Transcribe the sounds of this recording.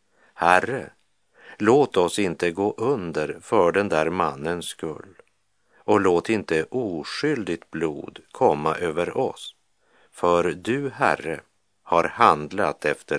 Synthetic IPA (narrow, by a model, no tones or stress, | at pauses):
hærə | loːt̪ɔsɪnt̪əɡoːʔɵnd̪əɾfœɖɛnd̪æɾmanːənskɵ̰lː | ɔloːt̪ɪnt̪əʔuːʂʏld̪ɪt̪̚blṵːd̪kʰɔmːaʔøːvəɾɔs | fœɾd̪ɵhæ̰rə | haɾhand̪lat̪ɛft̪ə